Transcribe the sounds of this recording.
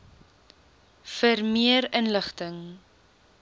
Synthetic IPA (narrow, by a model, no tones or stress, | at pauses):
fəɾmiəɾənləχtəŋ